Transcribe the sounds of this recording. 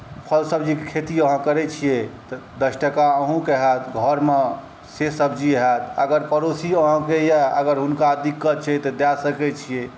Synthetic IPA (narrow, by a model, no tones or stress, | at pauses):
pʰəlsəbd͡ʒikekʰet̪iəɦə̃kəɾɛt͡ʃʰijet̪ɔd̪əsʈəkaəɦũkeɦɛt̪ɡʱɔɾme | sesəbd͡ʒiɦɛt̪əɡəɾpəɾosiəɦə̃kejaəɡəɾɦunkad̪ikːət̪̚t͡ʃʰɛt̪ɔd̪ɛsəkɛt͡ʃʰije